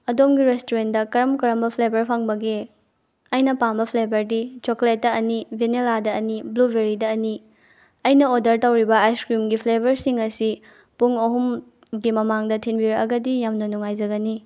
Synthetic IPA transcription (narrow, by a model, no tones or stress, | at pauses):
ɐdomɡiɾestoɾendɐkɐɾɐmkɐɾɐmbɐpʰlebʱɐɾpʰaŋbɐɡe | ɐjnɐpambɐpʰlebʱɐɾdit͡ʃoklet̚ːɐɐnibʱeneladɐːniblubʱeɾidɐːni | ɐjnɐodɐɾtɐwɾibɐajskɾimɡipʰlebʱɐɾsiŋɐsi | puŋɐɦum | ɡimɐmaŋdɐtʰinbiɾɐɐɡɐdijamnɐnuŋajd͡ʒɐɡɐni